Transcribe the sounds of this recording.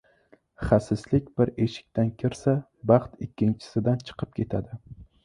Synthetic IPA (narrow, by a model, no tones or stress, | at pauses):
χasɪslɪkʲb̥ɪɾe̞ʃɪ̥k̚ʲt̪ʰankʲʰɪɾsa | bɑχt̪ɪkʲʰːɪnt͡ʃʰɪ̥sɪd̪ant͡ʃʰɨ̥qʰɨp̚kʲʰe̞t̪ʰad̪ɪ